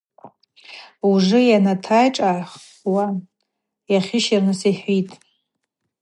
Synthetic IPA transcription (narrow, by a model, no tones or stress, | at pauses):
uʐɨjanatʰajʈ͡ʂʼaʕχ | wa | jaχʲɪʃirnɨsiħʷitʼ